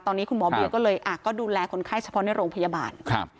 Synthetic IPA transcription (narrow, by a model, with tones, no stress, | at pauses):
t̪ɔː˧nːiː˦˥kʰu˧nmɔː˨˦bi˧kɔː˥˩lɤː˧jʔaː˨˩kːɔː˥˩duː˧lɛː˧kʰo˧nkʰaː˥˩jt͡ɕʰa˧pʰɔ˦˥na˥˩jɾoː˧ŋpʰa˧jaː˧ba̰ː˧nkʰa˧p̚